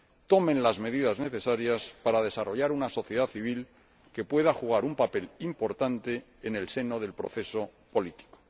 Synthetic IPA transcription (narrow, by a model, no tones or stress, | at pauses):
t̪o̞mẽ̞nlazme̞ðiðazne̞θe̞saɾjaspaɾaðe̞saro̞ʝaɾunaso̞θje̞ð̞aθiβ̞il | ke̞pwe̞ðaxuɣ̞aɾumpape̞limpo̞ɾt̪ant̪e̞ːne̞lse̞no̞ðe̞lpɾo̞̰θe̞so̞ | po̞lit̪i̥ko̥